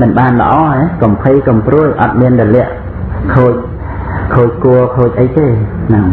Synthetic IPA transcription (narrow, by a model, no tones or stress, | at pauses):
mɨnɓaːnlə̰̆ʔɑːekɑmpʰɨjkomprŭəjʔɑ̰t̪̚miənɗɑlɛ̆əʔ | kʰoːc̚ | kʰoːc̚kuəkʰoːc̚ʔəjt̪eːnɨŋ